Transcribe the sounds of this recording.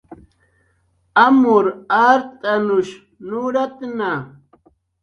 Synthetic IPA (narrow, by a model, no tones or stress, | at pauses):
amʊɾaɾt̪ʼanʊʃ | nʊɾat̪na